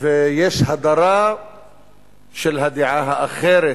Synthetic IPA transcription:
fɪjeːʃhad̪ɑɾˤɑː | ʃɪlɦad̪ɪʕaɦaʔaxeːɾɪ

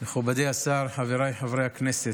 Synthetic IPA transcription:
meχubad̪ejasaɾħaveɾajħavɾejaknɛse

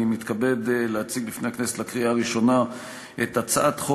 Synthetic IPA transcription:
mit̪kabe̞dlehat͡siɡlifnehakneset̪lakʁiaːʁiʃo̞na | ʔet̪at͡saʔat̪χo

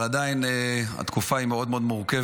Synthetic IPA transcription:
ad̪ainea̰t̪kufaimeo̞d̪meod̪muʁkev

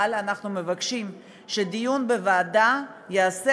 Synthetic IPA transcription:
lanaχnume̞vakʃim | ʃed̪ijunbevaːdajease

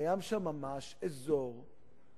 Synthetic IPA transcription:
jamʃamːamaʃezoʁ

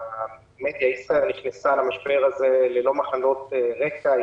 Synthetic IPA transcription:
med̪jaisʁaelniχnesalamaʃbe̞ʁazelelo̞maχalo̞t̪eʁeka

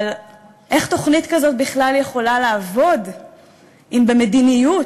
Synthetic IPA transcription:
l | ʔe̞χt̪o̞χnit̪kazo̞t̚biχlalje̞χo̞laleːvo̞d | ʔimbeme̞dinijut

